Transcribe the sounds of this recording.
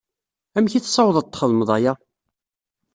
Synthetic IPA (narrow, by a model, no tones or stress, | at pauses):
æmçiθsˤːɑwðˤət̪ːχəðəməðˤɑja